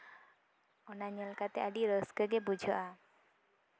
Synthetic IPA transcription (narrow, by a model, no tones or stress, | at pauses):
ɔnaɲɛlkat̪ɛʔaɖiɾəskəɡɛbud͡ʒʱɔʔa